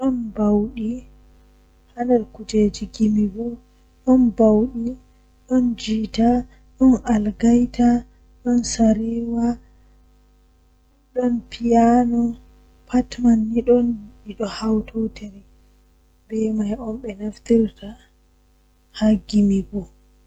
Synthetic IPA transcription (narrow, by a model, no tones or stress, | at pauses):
ɗɔnbawɗi | handɛɾkud͡ʒed͡ʒiɡimiɡɔ | ɗɔnbawɗi | ɗɔnd͡ʒita | ɗɔnʔalɡajta | ɗɔnsaɾiwa | ɗɔnpijanɔ | pʰatmanːiɗɔniɗɔhawtʰoteɾi | bɛmajʔɔnɓɛnaft̪iɾta | haɡimiɡɔ